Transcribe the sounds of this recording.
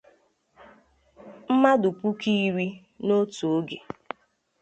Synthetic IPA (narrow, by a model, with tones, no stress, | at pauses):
m̩˦ma˦dʊ˨pu˦ki˦ɾi˦ | no˦tu˨o˦ɡe˨